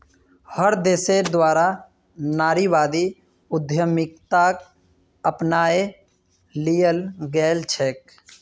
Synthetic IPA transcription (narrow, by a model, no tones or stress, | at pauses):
həɾd̪eːsed̪waːɾa | naːɾiʋaːd̪i | ʊd̪ʱjəmɪk̚t̪aːk | əpnaːe | lijəlɡɛːlt͡ʃʰeːk̚